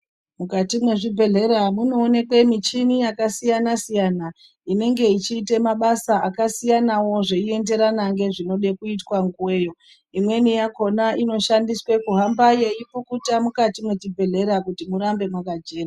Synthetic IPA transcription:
mukatimwe̞ʐibʱe̞ɮe̞ɾamuno̞ːne̞kwe̞mit͡ʃinijakasijanasijana | ine̞ŋɡe̞it͡ʃiːte̞maɓasaːkasijanawo̞ʐe̞ie̞nde̞ɾanaŋɡe̞ʐino̞ɗe̞kuitwaŋɡuwe̞ːjo̞ | imwe̞nijako̞naʔino̞ʃandiswe̞kuɦambaje̞ip͡fukutamukatimwe̞t͡ʃibʱe̞ɮe̞ɾakutimuɾambe̞mwakad͡ʒeːra

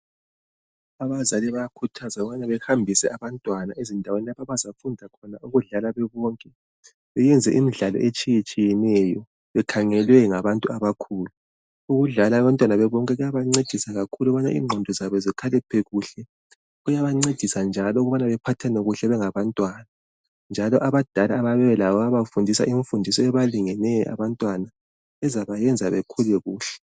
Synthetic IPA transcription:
aβazaliβajakʰutʰazauɣuβanaβɛhambʱisɛaβantʼwanaezindʱawenilapʰaβazafundʱakʰɔnaʔuɣuɮalaβɛβɔːŋkʼɛ | βɛjɛnd͡zʱɛ̰ʔimiɮalɔ̰ʔet͡ʃʼijet͡ʃʼijɛnɛjɔ | βɛkʰaŋɛlwɛŋaβantʼuaβakʰuːlu | uɣuɮalaːβantʼwanaβɛβɔŋkʼɛɣujaβaŋ͡ǀed̥ʱisaɣakʰuluɣβanaʔḭːŋ͡ǃʱɔndʱɔzaβɔzikʰalɛpʰɛɣuɬɛ | ɣujaβaŋ͡ǀed̥ʱisand͡ʒʱalɔuɣuβanaβɛpʰatʰanɛɣuɬɛβɛŋaβantʼwana | nd͡ʒʱalɔʔaβad̥ʱalaːβaβɛβɛlaβɔaβafundʱisa̰ʔiɱfundʱisɔɛβaliŋɛnɛjʔa̰βantʼwana | ɛzaβajɛnd͡zʱaβɛkʰulɛɣuːɬɛ̥

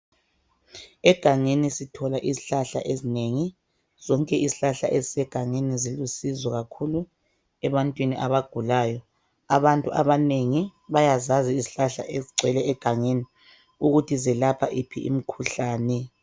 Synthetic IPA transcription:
ɛɡ̥ʱaŋenisitʰɔlaʔiziɬaɬa̰ʔezineŋi | z̥ɔŋkʼɛiziɬaɬa̰ʔezisɛɡ̥ʱaŋenizilusizwɔɣakʰulu | ɛβantʼwiniʔaβaɡ̥ʱulaːjɔ | aβantʼuʔaβaneŋiβajazaziiziɬaɬa̰ʔeziɡ͡ǀʱwɛlɛːɡ̥ʱaŋeni | uɣutʰizɛlapʰaʔipʰḭʔḭm̩kʰuɬaːnɛ

